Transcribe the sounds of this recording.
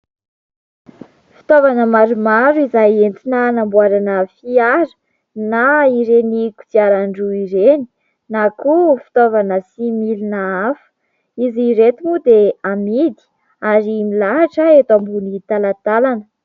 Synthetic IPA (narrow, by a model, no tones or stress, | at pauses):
fi̥t̪ovanəmaɾumaɾuizajent̪inanambuaɾanəfiaɾə̥ | naiɾeniku̥t͡siaɾaɳɖ͡ʐuiɾeni̥ | nakufi̥t̪ovanəsimilinaafə̥ | iziɾet̪umud̪eamid̪i̥ | aɾimilaɦaʈ͡ʂəet̪ambunit̪alat̪alanə